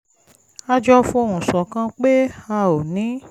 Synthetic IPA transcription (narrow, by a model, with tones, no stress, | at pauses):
a˧d͡ʒɔ˧fũ˧˦o˧˨ɾũ˨sɔ˨kã˧k͡pe˦a˧o˨nĩ˨˦